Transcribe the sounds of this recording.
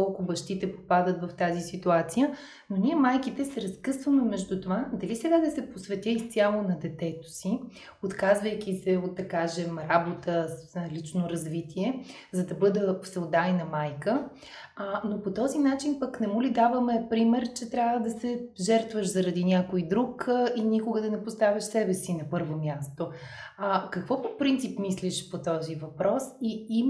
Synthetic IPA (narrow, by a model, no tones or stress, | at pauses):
kɔlˠkʊbɐʃt̪it̪ɛpo̥pad̪ət̪vɐft̪azisit̪uat̪sijə | noniɛmajkit̪ɛsɛɾɐskɤsvəmɛmɛʒd̪ut̪ovad̪ɐlisɛɡad̪ɐsɛposvɛt̪ʲɛist̪sʲialˠonɐd̪ɛt̪ɛt̪o̥si | ot̪kazvəjk̟ʲisɛot̪̚d̪ɐkaʒɛmɾabot̪ʰəlit͡ʃnoɾɐzvit̪iɛ | zɐd̪ɐbɤd̪əsɛod̪ajnɐmajkə | ənopot̪ɔzinat͡ʃinpəknɛmulid̪avəmɛpɾimɛɾt͡ʃɛt̪ɾʲjavəd̪ɐsɛʒɛɾt̪vəʃzɐɾɐd̪inʲjakojd̪ɾukinikʊɡəd̪ɐnɛpost̪avʲɐʃsɛbɛsinɐpɤɾvomʲjast̪o | ɐkɐkvɔpopɾint̪sipmisliʃpot̪ɔzivɐpɾɔsiim